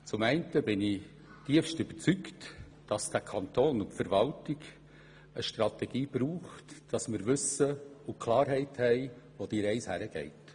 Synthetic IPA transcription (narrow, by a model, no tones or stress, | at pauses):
t͡sʊmɛɪntəbɪnɪ | tiəfʃtʏb̥ət͡sykt | d̥ɑsd̥ækʰɑnt̪oːnʊntfəɾʋɑltɪɡ | əʃtɾɑtɛɡ̥iːb̥ɾuːχtd̥ɑsmɪɾʋʏsəʊkʰlɑːɾɦɛɪthɛɪ | ʋod̥iːɾɛɪshæɾəɡ̥ɛ̰ɪt